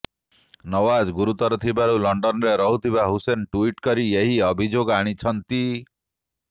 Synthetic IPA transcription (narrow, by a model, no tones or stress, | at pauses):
nɔwad͡ʒɡuɾut̪ɔɾɔt̪ʰibaɾulɔɳɖɔnɾeɾɔɦut̪ʰibaɦusenʈuiʈkɔɾieɦiɔbʱid͡ʒoɡaɽ̃it͡ʃʰɔnt̪i